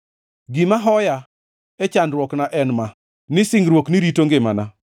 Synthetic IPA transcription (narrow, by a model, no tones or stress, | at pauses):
ɡɪmaɦɔja | ɛt͡ʃandɾwɔknaʔɛnma | nɪsɪŋɡɾwokniɾitoŋɡɪmana